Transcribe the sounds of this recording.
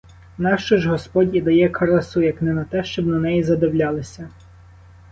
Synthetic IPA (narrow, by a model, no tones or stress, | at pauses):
nɑʃt͡ʃɔʒɦɔspɔdʲid̪ɐjɛkʰɐɾɐsujɐknɛnɐt̪ɛʃt͡ʃɔbnɐnɛjizɐd̪ɪwlʲɑlˠɪsʲɐ